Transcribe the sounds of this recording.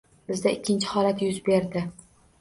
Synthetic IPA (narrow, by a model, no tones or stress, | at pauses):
b̥ɪzd̪aɪkʲʰːɪnt͡ʃʰɪ̥hɒlat̪jʊzbe̞ɾd̪ɪ